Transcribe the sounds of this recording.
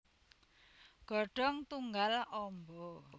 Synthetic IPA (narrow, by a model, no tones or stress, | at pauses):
ɡ̥ɔ̤ɖ̥ɔ̤ŋt̪uŋɡalɔmbɔ